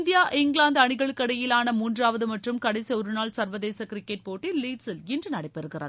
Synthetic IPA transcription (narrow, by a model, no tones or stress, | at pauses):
nd̪ɪjaːʔɪŋɡɭaːnd̪ɐɳɪɣɐɭɯkːɐɽɐjɪlaːnɐmuːndraːʋɐðɯmɐʈrɯmkɐɽɐɪsiɔɾɯnaːlsɐɾʋɐðeːsɐkɾɪkːɛʈ̚poːʈːilːiːʈsɪlɪndrɯnɐɽɐɪpːɛɾɯɣɪrɐ̰ð